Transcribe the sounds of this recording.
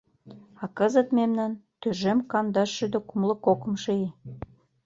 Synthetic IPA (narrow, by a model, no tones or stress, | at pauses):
ɑkɤzə̆t̪memnænt̪øʒemkɑnd̪ɑʃːød̪okumlɤ̆kokə̆mʃee